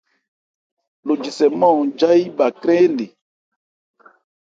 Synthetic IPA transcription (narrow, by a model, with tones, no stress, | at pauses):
lo˨d͡ʒi˨sɛ˨mɔ̃˦˨d͡ʒa˦i˦ba˨kɾɛ̃˦le˨